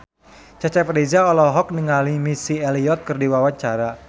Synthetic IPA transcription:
t͡ʃat͡ʃɛprded͡ʒaɔlɔɦɔk̚niŋalimisiɛliɔt̪̚kɨrdiwawaɲt͡ʃaɾa

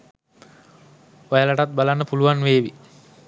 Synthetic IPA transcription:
ojəlaʈat̪̚balanːəpuluʋanʋeːʋi

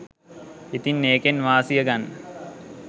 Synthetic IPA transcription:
it̪inːeːkenʋaːsijəɡanːə

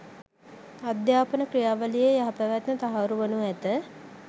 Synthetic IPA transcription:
ad̪jaːpənəkrijaːʋəlijejaɦapæʋat̪nət̪aɦaɾuʋənuæt̪ə

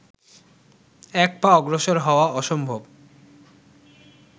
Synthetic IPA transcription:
ɛk̚paɔɡɾoʃoɾɦɔoaɔʃombʱob

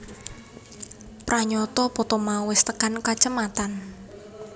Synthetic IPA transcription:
pɾaɲɔt̪ɔpɔt̪ɔmawɪst̪əkankat͡ʃəmat̪an

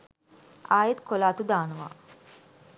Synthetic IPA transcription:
aːjet̪kolaːt̪ud̪aːnəʋa̰ː

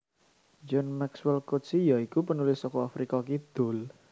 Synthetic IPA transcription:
d͡ʒɔnmɛkswɛlkot̪sijaikupənulɪsːɔkɔafɾikakid̪̥o̤l

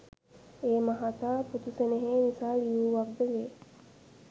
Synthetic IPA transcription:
eːmɐɦat̪aːput̪useneɦeːnisaːlijuːʋɐb̪ːeɡeː

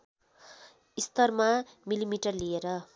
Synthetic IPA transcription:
ist̪ʌrmamilimiʈʌrlieɾʌ

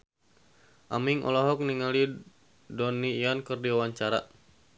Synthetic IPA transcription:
ʔamiŋʔɔ̰lɔɦɔk̚niŋali | dɔnijankərdiawaɲt͡ʃaɾa

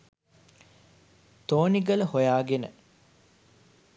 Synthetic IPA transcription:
t̪oːniɡələhojaːɡenə̰

